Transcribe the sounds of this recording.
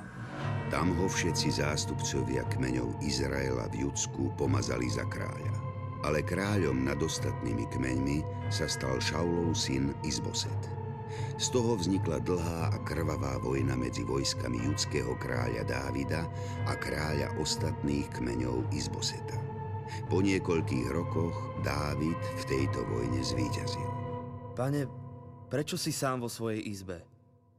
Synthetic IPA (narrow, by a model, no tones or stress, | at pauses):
t̪amɦɔfʃɛt̪t͡sizaːst̪upt͡sɔʋɪa̰kmɛɲɔ̰ʊizɾaɛla̰vjut͡skupɔmaza̰liza̰kɾa̰ːʎa | alɛkɾaːʎɔmnad̪ɔst̪at̪nimikmɛɲmi | sast̪alʃawlɔʊsinizbɔ̰sɛt̪ | st̪ɔɦɔvzɲiklad̪l̩ˠɦaːʔakr̩ʋaʋaːʋɔjnamɛd͡ziʋɔjskamḭʎut͡skɛɦɔkɾa̰ːʎa̰d̪a̰ːʋid̪a | akɾaːʎa̰ʔɔst̪at̪niːxkmɛɲɔʊizbɔsɛt̪a | pɔɲɪɛkɔʎkiːɣɾɔkɔɣd̪aːʋit̪ft̪ɛjt̪ɔ̰ʋɔjɲɛzʋiːcazḭlpaɲɛpɾɛt͡ʃɔsisaːmʋɔsʋɔjɛjʔizbɛ